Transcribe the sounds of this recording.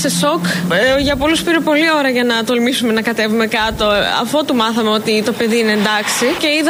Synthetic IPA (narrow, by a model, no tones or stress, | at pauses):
sesokʝɐpoluspiɾepo̞lio̞ɾɐʝɐnɐt̪olmisume̞nɐkɐt̪e̞vume̞kɐt̪o̞ɐ̰fo̞t̪umɐθɐmeo̞t̪it̪o̞pe̞ðiineːnd̪ɐksice̞iðɐ